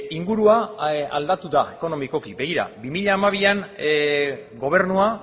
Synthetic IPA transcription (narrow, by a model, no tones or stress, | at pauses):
iŋɡuɾuaa̰ld̪at̪uðae̞ko̞no̞miko̞kiβe̞ɣiɾa̰bimiʎaːmaβ̞ian | ɡo̞β̞e̞ɾnua